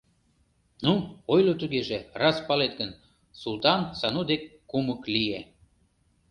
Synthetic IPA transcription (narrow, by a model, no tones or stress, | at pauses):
nuojlot̪yɣeʒerɑspɑlet̪̚ɡən | sult̪ɑnsɑnud̪ekːuməklie